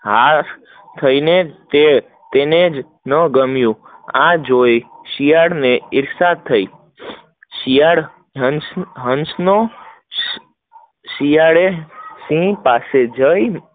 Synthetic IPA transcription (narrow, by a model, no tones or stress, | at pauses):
ɦa | t̪ʰəinet̪e | t̪ened͡ʒ | nəɡəmjũ | ãd͡ʒojʃijaɽneɪɾsat̪ʰːəi | ʃijaɽ | ɦsɦənsno | ʃijaɽesĩpased͡ʒəj